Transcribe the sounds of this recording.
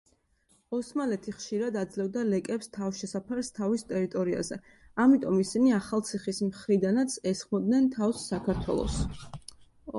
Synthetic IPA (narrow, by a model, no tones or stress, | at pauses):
ɔsmalɛt̪ʰiχʃiɾad̪ad̪zlɛvd̪alɛkʼɛpst̪ʰafʃɛsapʰaɾst̪ʰavist̪ʼɛɾit̪ʼɔɾia̰zɛ | amit̪ʼɔmisiniaχalˠt̪sʰiχismχɾid̪anat̪sʰɛsχmɔd̪nɛnt̪ʰafsːakʰaɾt̪ʰwɛ̰lˠɔ̰s